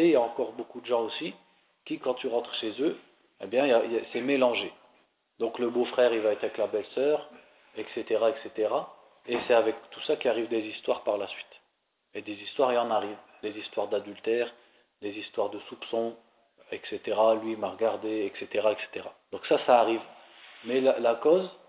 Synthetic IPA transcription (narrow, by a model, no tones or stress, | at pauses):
ejaɑ̃kɔʁbokud̪əʒɑ̃osi | kʲikɑ̃t̪yʁɑ̃t̪χəʃezø | ebjɛ̃asɛmelɑ̃ʒe | d̪ɔ̃kləbofχɛːʁivaɛt̪χavɛklabɛlsœːʁ | ɛkset̪eʁaɛkset̪eʁa | esɛavɛkt̪u̥sakʲiaʁivd̪ezist̪waʁpaʁlasɥit̪ | ed̪ezist̪waʁeɑ̃naʁivd̪ezist̪waʁd̪ad̪ylt̪ɛːʁ | d̪ezist̪waʁd̪əsupsɔ̃ | ɛkset̪eʁalɥimaʁəɡaʁd̪eɛkset̪eʁaɛkse̥t̪eʁad̪̥ɔ̃ksasaːʁiv | mɛlalakɔz